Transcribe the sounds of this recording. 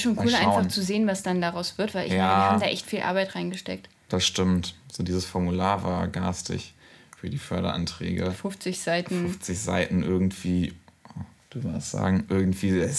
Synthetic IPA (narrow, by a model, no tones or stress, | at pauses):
ʃoːnkʰuːlʔaɪnfaχt͡suzeːənvasd̥andaʁaʊsv̥ɪɐtv̥aɪʔɪçmjaanːhaamdaːʔɛçtfiːlʔa̰ɐbaɪtʁaɪnɡəʃtɛ̰k̚t | d̥asʃtɪmtz̥oːdiːzəsfɔɐmulaːɐva̰ːɐɡa̰ːstʰɪ̰çfyːɐdiːfœɐɾɐ̰ʔa̰ntʁ̥ɛ̰ːɡəfʊft͡sɪçz̥aɪtn̩ʊft͡sɪçz̥a̰ɪtn̩ʔɪɐɡŋ̩tv̥iː | v̥ɪmdasz̥a̰ːɡŋ̩ʔɪɐɡŋ̩tv̥iːɛ